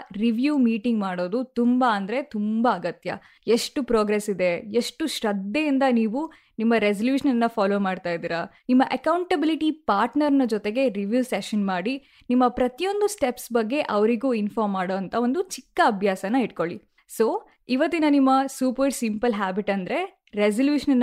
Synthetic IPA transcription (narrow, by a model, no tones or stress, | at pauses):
ɾiʋjuːmiːʈiŋɡmaːɽo̞ːd̪ut̪umbɐːnd̪ɐɾe̞t̪umbɐːɡɐt̪jɐ̰ | eʂʈupɾoːɡɾesid̪e̞eʂʈuʃɾɐd̪ːeind̪ɐniːʋu | nimːɐɾes̬ɐljuːʃɐnɐnːɐfaːloːmaːɖt̪aːjd̪iːɾɐnimːɐʔɐkɐwɳʈɐbiliʈipaːɾʈnɐɾnɐd͡ʒot̪e̞ɡe̞ɾiʋjuːseʃɐnmaːɽi | nimːɐpɾɐt̪ijo̞nd̪usʈepsbɐɡːe̞ʔɐʋɐɾiɡuːinfaːɾmːaːɽoːɐnt̪ʰɐo̞nd̪ut͡ʃikːɐːbʱjaːsɐnːɐiʈko̞ɭi | so̞ː | iʋɐt̪ːinɐnimːɐsuːpɐɾʈsimpɐlɦaːbiʈɐnd̪ɾe̞ | ɾesɐljuːʂɐnɐnː